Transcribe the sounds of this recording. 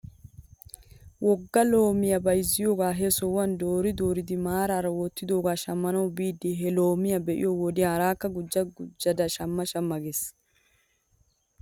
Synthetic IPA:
wʔɔɡːɐlo̞ːmɪjɐbɐjzːɪjoːɡaːɦesɔwɐnd̪oːɾɪd̪o̞ːɾɪd̪ɪmaːɾaɾɐwɔt̪ːɪd̪oːɡaːʃɐmːɐnɐwbiːd̪ːɪɦɛlo̞ːmɪjɐbɛʔɪ̰jɔwɔd̪ɪjaɾaːkːɐɡʊd͡ʒːɐɡʊd͡ʒːɐd̪ɐʃɐmːɐʃɐmːɐɡes

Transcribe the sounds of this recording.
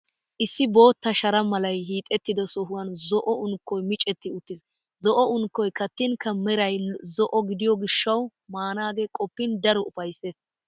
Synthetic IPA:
ʔɪsːɪbo̞ːt̪ːɐʃɐɾɐmɐlɐjɦiːt̪ʼɛt̪ːɪd̪ɔsɔɦʊwɐnzɔʔɔʊŋkːɔjmɪt͡ʃʼɛt̪ːɪʊt̪ːɪs | zɔʔɔʊŋkːɔjkɐt̪ːɪnkːɐmɛɾɐjzɔʔɔɡɪd̪ɪjɔɡɪʃːɐwmaːnaːɡekʼɔpːɪnd̪ɐɾɔʔʊfɐjsːe̞ːs

